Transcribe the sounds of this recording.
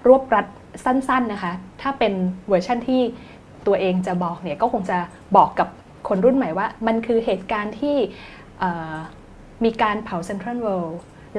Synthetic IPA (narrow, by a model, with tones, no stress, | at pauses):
ɾu˥˩əp̚ɾa˦˥t̪̚ | sa˥˩nsa˥˩nːa˦˥kʰa˦˥t̪ʰaː˥˩pe˧nwɤː˧t͡ɕʰa˥˩nt̪ʰiː˥˩ | t̪u˧ɐʔeː˧ŋt͡ɕa˨˩bɔː˨˩k̚ni˥˩kɔː˥˩kʰo˧ŋt͡ɕa˨˩ | bɔː˨˩kːa˨˩p̚ | kʰo˧nɾu˥˩nma˨˩˦jwaː˥˩ma˧nkʰɯː˧ɦeː˨˩t̪̚kaː˧nt̪ʰiː˥˩ | ʔaː˨˩ | miː˧kaː˧npʰa˨˩˦wse˧nt̪ʰɾa˥˩nwe˧w | l